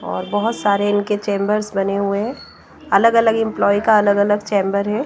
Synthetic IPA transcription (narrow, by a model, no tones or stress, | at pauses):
ɔ̰ːɾbɔɦʊt̪saːɾeɪnket͡ʃẽːmbəɾsbɐneɦueɦɛ̃ | ɐləɡɐləɡɪ̃mplɔːikaɐləɡɐləɡt͡ʃẽːmbəɾɦɛː